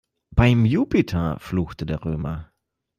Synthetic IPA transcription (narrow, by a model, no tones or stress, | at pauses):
b̥aɪmjuːpitʰɐfluːxtədeːɐʁøːmɐ